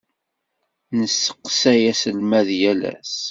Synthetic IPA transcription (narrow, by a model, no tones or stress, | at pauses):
nəsːə̥qːsæjæsəlmæðjælæ̰s